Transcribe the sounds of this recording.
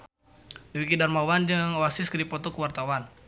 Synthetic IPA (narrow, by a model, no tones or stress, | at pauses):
dəwikidarmawand͡ʒəŋwasɪskədipɔt̪ɔkəwart̪awan